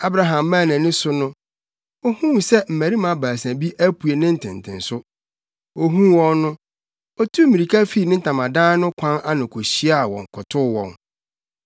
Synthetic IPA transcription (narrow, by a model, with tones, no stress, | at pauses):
a˦bɾa˨ɦã˨mːãː˦˨nɪ̃˨nɪ̃˦sʊ˦nʊ̃˦ | o˦hũ˦˨sɛ˦m̩˨mæ˨ɾi˦mã˨baː˨s̬æ̃˨bi˦ʔæ˦pʰu˨e˨nɪ̃˦n̩˨tʰɪ̰̃˨n˨tʰɪ̰̃˨nsʊ˦ | o˦ɦũ˦wɔ̃˦nːʊ̃˦ | ɔ˦tʰu˦mĩ˨ɾi˨kʰa˦fi˦˨nɪ̃˦n̩˦tʰã˨mã˨dãː˦nʊ̃˦kʷʰã˦na˦nʊ̃˨kʰo˨ɕi˦a˦˨wɔ̰̃˨ŋ˨kʰʊ˨tʰʊ˦wɔ̰̃˨n